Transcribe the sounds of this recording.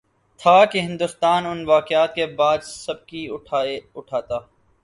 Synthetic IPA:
t̪ʰakeɦɪ̃nd̪ʊst̪aːnʊnʋaːkjaːt̪̚kebaːd̪sɐb̚kiʊʈʊʈʰaːt̪aː

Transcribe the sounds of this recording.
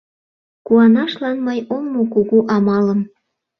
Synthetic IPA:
kuɑnɑʃlɑnməjoŋmokuɣuʔɑmɑləm

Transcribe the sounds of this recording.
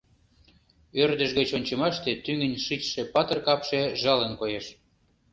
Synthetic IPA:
ørd̪ə̆ʒɣət͡ɕonʲt͡ɕə̆mɑʃt̪et̪yŋə̆nʲʃit͡ɕʃepɑt̪ə̆rkɑpʃeʒɑlənkojeʃ

